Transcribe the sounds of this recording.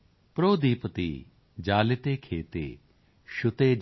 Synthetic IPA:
pɾoːd̪iːpət̪ḭ | d͡ʒaːlet̪eːkʰeːt̪ḛː | ʃʊt̪eː

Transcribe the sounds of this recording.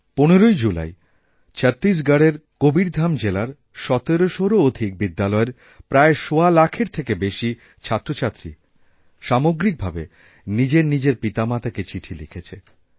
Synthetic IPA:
poneɾojd͡ʑula̰j | t͡ɕʰət̪ːɾis̬ɡaɽeɾkobiɾd̪ʱamd͡ʑelaɾ | ʃɔt̪eɾoʃoɾood̪ʱik̚bid̪ːalɔeɾ | pɾaeʃoalakʰeɾt̪ʰekebeʃi | t͡ɕʰat̪ːɾot͡ɕʰat̪ːɾḭ | ʃamoɡɾik̚bʱabe | nid͡ʑeɾnid͡ʑeɾpit̪amat̪aket͡ɕiʈʰilikʰet͡ɕʰe

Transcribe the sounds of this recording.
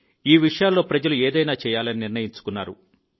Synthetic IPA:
iːʋiʂɐjaːlːo̞ːpɾɐd͡ʒɐlueːd̪ɐjnaːt͡ʃɛːjaːlɐniniɾnɐjiɲt͡ʃu̥kunːaːɾṵ

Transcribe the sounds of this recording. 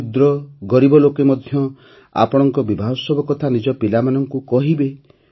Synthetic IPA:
d̪ɾɔɡɔɾibɔlokemɔd̪ʱjɔ | a̰pɔɽ̃ɔŋkɔbibʱaɦɔsɔbɔkɔt̪ʰanid͡ʒɔpilamanɔŋkukɔɦibe

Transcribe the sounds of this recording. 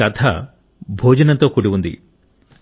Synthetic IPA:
ɐt̪ʰɐ | bʱoːd͡ʒɐnɐnt̪o̞ːkuɽiʋund̪ḭ

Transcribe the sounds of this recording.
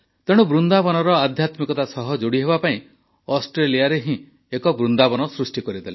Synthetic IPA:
t̪eɽ̃ubɾund̪abɔnɔɾɔad̪ʱjat̪mikɔt̪asɔɦɔd͡ʒoɽiɦebapaĩ | ɔsʈɾelijaɾeɦĩ | ekɔbɾund̪abɔnɔsɾusʈikɔɾid̪ele

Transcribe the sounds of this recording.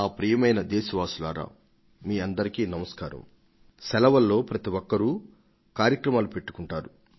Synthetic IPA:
aːpɾijɐmɐjnɐd̪ɛːʃɐʋaːsulaːɾa̰ː | miːɐnd̪ɐɾikiːnɐmɐskaːɾɐ̰m | sɛlɐʋɐlːo̞ːpɾɐt̪iwɔkːɐɾu | kaːɾjɐkɾɐmaːlupe̞ʈːu̥kuɳʈaːɾu

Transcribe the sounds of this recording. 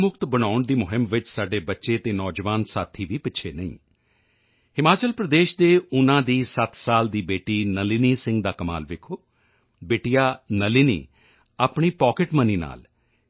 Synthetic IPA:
mʊkt̪bəɽ̃aːʊɳd̪iːmʊɦɪmʋɪt͡ʃsaːɖeːbətːʃeːt̪eːnɔːd͡ʒʋaːnsaːt̪ʰːiːʋiːpɪtːʃʰeːnəḭ̃ː | hɪmaːt͡ʃəlpɾəd̪eːʃd̪eːʊnãːd̪iːsət̪saːld̪iːbeːʈiːnəliniːsɪ̃ŋɡd̪aːkəma̰ːlʋɪːkʰoː | beːʈijaːnəlinḭː | aːpɳiːpɔːkɪʈməniːna̰ːl

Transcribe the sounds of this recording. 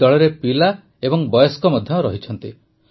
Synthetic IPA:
ɔɭɔɾepila | ebɔŋbɔjoskɔmɔd̪ʱjɔɾɔɦit͡ʃʰɔnt̪i

